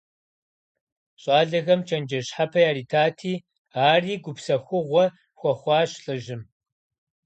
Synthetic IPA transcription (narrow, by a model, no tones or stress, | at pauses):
ɕʼaːɮɐɣɐmt͡ʃʰɐnd͡ʒɐɕħapʰɐjaːɾiːtʰaːtʰiː | aːriːɡʷʊpsɐxʷʊʁʷɔ | xʷɔχʷɑːɕɬʼɨʒɪm